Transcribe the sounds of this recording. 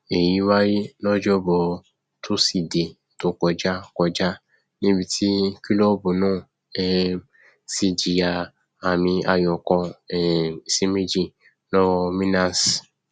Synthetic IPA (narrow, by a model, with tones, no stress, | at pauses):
e˨ji˨˦wa˦ji˦lɔ˦d͡ʒɔ˦bɔ˧ | tʰo˦si˨de˨ | to˦kɔ˨˧d͡ʒa˦kɔ˧d͡ʒa˦ | nĩ˦bi˧tʰi˦ki˦lɔ˦˨˦bu˨nãː˦˨ | ɛ˧ | si˧d͡ʒi˨ja˨˧ | a˨mĩ˧a˧jɔ˨kɔ˧ɛ˨i˨si˦me˦d͡ʒi˦ | lɔ˦wɔ˧mĩ˦na˨s